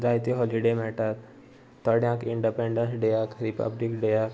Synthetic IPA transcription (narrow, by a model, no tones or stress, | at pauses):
ɾajt̪iɦɔliɖemɛʈat̪ː | əɽjãkiɳɖipẽɳɖənsɖejakɾipə̰blikɖejak